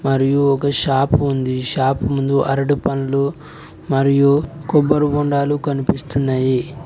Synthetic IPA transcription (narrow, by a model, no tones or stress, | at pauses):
mɐɾijuɔkɐʃaːpund̪iʃaːpumund̪uʔɐɾɐɽupɐnɐlu | mɐɾijukɔbːɐɾubuɳɖaːlukɐnipist̪unːaːji